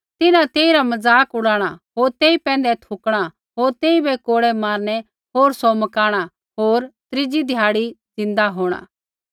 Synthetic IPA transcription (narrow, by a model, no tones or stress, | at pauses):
t̪ɪnãt̪eːiɾamɐzaːkʊɽaːɽ̃aɦoːɾt̪eːipɛ̃ːnd̪ɛt̪ʰʊkɽ̃a | ɦoːɾt̪eːibɛkoːɽɛmaːɾnɛ | ɦoːɾsɔmɐkaːɽ̃a | ɦoːɾt̪ɾɪd͡ʒid̪ʱjaːɽid͡zɪ̃nd̪aɦoːɽ̃a̰ː